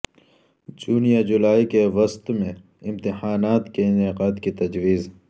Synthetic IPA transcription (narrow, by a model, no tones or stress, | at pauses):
d͡ʒuːnijad͡ʒʊlaːikeʋɐst̪mẽ | ɪmt̪ɪhaːnaːt̪keɪneqaːt̪kit̪ɐd͡ʒwiːz